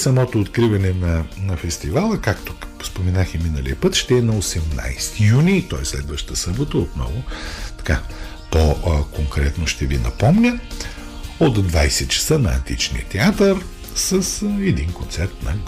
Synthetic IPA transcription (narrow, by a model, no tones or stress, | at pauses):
sɐmɔt̪oːt̪kɾivɐnɛnɐnɐfɛst̪ivalˠəkakt̪o̥ | spomɛnaximinəlḭəpət̪ʃt̪ɛɛnɐosɛmna̰jst̪ijunit̪ɔɛslɛd̪vəʃt̪əsɤbot̪əot̪nɔ̰vʊt̪ɐ̥ka | t̪ɔkoŋkɾɛt̪noʃt̪ɛvinɐ̰pɔmnʲə | ot̪d̪vajsɛt̪t͡ʃɐ̥sənɐɐ̰nt̪ḭt͡ʃnḭət̪ɛat̪əɾ | səsɛd̪inkont̪sɛɾt̪nɐɡ